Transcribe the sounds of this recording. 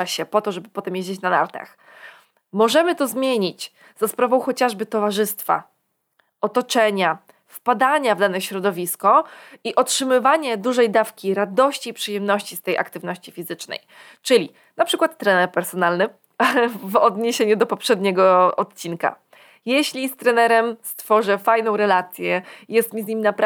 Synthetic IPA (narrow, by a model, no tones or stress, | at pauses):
aɕɛpɔt̪ɔʐɛbɘpɔt̪ɛmjeʑd͡ʑet͡ɕnana̰ɾt̪a̰x | mɔʐɛmɘt̪ɔzmʲjeɲit͡ɕ | z̥aspɾavɔ̃w̃xɔt͡ɕaʐbɘt̪ɔvaʐɘst̪fa̰ | ɔt̪ɔt͡ʂɛɲa | fpad̪aɲavd̪anɛɕɾɔd̪ɔvʲiskɔiʔɔtʂɘmɘvaɲɛd̪uʐɛjd̪afkʲiɾad̪ɔɕt͡ɕiːpʂɘjɛmnɔɕt͡ɕist̪ɛjʔa̰kt̪ɘvnɔɕt͡ɕifʲizɘt͡ʂnɛ̰j | t͡ʂɘlʲi | napʂɘkwat̪ːɾɛnɛɾpɛɾsɔnalnɘ | vɔd̪ɲeɕeɲud̪ɔpɔpʂɛd̪ɲɛɡɔɔt̪̚t͡ɕinka̰ | jɛɕlʲist̪ɾɛnɛɾɛmst̪fɔʐɛfajnɔ̃w̃ɾɛlat̪sʲjɛjɛst̪mʲizɲimʲinapɾ